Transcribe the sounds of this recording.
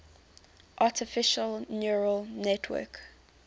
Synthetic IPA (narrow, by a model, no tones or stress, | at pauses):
ʔatʰɪfɪʃəlnjuɹəlnɛtʰwɜ̰ˑk